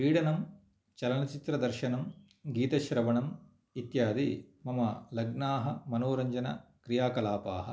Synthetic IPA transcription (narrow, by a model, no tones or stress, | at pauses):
iːɽɐnɐm | t͡ʃɐlɐnɐt͡ʃit̪ɾɐd̪ɐɾʃɐnɐm | ɡiːt̪ɐʃɾɐʋɐɳɐm | it̪jaːd̪imɐmɐlɐɡnaːɦɐmɐnoːɾɐɲd͡ʒɐnɐ̰kɾijaːkɐlaːpa̰ːɦɐ̆